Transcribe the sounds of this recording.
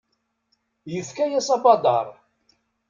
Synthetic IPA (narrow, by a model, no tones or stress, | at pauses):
jəðkæjæsɑbɑd̪ɑɾˤ